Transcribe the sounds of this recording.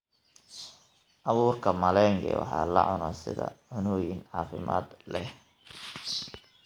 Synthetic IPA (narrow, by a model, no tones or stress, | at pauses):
ʔɑβuːrkʰɐmɐlɛŋɡɛ̰wɑ̰ħɑ̰ːlɐ̰ʕʊnɔsɪðɐʕʊnɔːjɪnʕɑːfɪmʔaːd̪lɛh